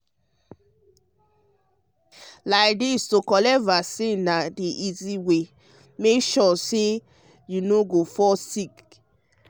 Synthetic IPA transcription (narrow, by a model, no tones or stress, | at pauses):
laɪk̚distokɔlɛvasĩnadiʔiziwe | mekʃɔse | junoɡofɔsik